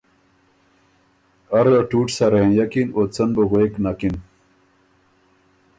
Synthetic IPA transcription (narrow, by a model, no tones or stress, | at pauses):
ɐɾɐʈuːʈsɐɾẽjɐkinot͡sɐnboɣoeknakin